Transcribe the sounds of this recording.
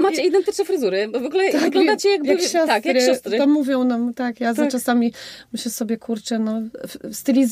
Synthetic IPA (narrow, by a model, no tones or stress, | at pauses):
maid̪ɛ̃nt̪ɨt͡ʃnɛ̃fɾɨzuɾɨvɔɡulɛt̪aɡlɔ̃d̪at͡ɕɛjaɡ̚bakɕɔst̪ak̪ɾɕɔst̪ɾt̪ɔmuvʲjɔ̃w̃namt̪akjazat͡ʃasamʲimɘɕlɛsɔbʲjɛkʰuɾt͡ʂɛnɔst̪ɨlʲiz